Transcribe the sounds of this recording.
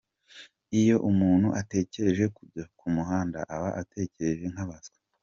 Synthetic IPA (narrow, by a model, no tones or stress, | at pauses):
ijo̞ʔumuːn̥huʔate̞ːce̞ɾe̞ʒe̞kuɟakumuɦaːnda̰ʔaβaʔatʰe̞ːce̞ɾe̞ʒe̞ŋ̥haβasɡḁ